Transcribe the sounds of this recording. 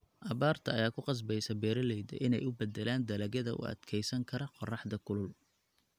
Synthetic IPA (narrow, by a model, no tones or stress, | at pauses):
ʔɐβaːrt̪ʰɐːjaːkʰʊqɑs̬bɛjsɐbɛːɾɐlɛjd̪ɐ̰ʔɪnɛjʊbɛd̪ɛlaːnd̪ɐlɐɣɐðɐʔʊ̰ʔɐ̰d̪̥kʰɛjsɐŋkʰɐɾɐqɔrɑħd̪ɐkʰʊlʊl